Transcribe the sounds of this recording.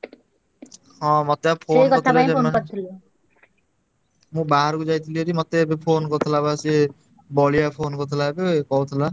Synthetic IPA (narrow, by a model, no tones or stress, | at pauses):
hɔ̃mɔt̪eapʰonkɔt̪ʰld͡ʒankɔt̪ʰili | mũbaɦaɾkud͡ʒajt̪ʰilieɾimɔt̪ebepʰoːnkɔt̪ʰilabasie | bɔliapʰoːnkɔt̪ʰilaebekɔut̪ʰila